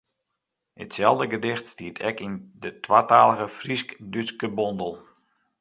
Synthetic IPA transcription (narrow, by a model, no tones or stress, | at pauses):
ə̰tsɛlˠvdəɡədɪxtstiətʰɛkindətʰwaːtaːlˠəɣəfriskdyskəbɔndəlˠ